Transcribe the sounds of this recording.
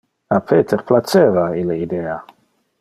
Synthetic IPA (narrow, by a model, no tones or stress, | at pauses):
apʰeːt̪ʰeɾplat͡ʃeːvaileid̪ɛːa